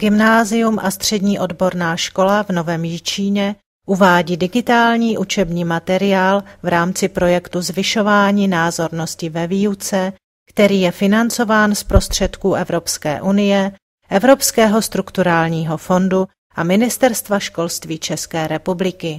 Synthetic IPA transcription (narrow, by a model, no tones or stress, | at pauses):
ɡ̥ɪmnaːzɪjumʔast̪r̝̥ɛdɲiːʔo̞dbo̞ɾnaːʃko̞lavno̞vɛːmjit͡ʃiːɲɛ | ʔuvaːɟiːdɪɡɪt̪aːlɲiːʔut͡ʃɛbɲiːmat̪ɛɾɪaːlvɾaːmt͡sɪpɾo̞jɛkt̪uzvɪʃo̞vaːɲiːnaːzo̞ɾno̞scɪvɛviːut͡sɛ | kt̪ɛɾiːjɛfɪnant͡so̞vaːnspɾo̞st̪r̝̥ɛt̪kuːʔɛvɾo̞pskɛ̰ːʔunɪjɛ | ʔɛvɾo̞pskɛːɦo̞st̪ɾukt̪uɾaːlɲiːɦo̞fo̞ndu | ʔamɪnɪst̪ɛɾst̪vaʃko̞lst̪viːt͡ʃɛskɛːɾɛpublɪkɪ